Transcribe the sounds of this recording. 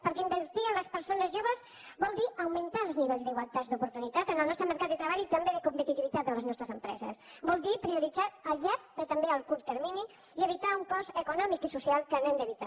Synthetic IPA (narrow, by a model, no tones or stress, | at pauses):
pəɾkɛimbəɾt̪iənləspəɾsonəzʒoβəz | bɔlˠd̪iəwmənt̪aəlˠzniβɛʎzðiɣwəlˠt̪azd̪upuɾt̪unit̪at̪ənəlˠnɔst̪ɾəməɾkat̪d̪ət̪ɾəβaʎit̪əmbeðəkumpət̪it̪iβit̪at̪̚d̪ələznɔst̪ɾəzəmpɾɛ̰zə̰sbɔlˠd̪ipɾiuɾidd͡zaəlʎaɾtpɾt̪əmbeəlˠkuɾt̪t̪əɾmini | iəβit̪auŋkɔzəkunɔmikisusialˠkənɛmd̪əβit̪a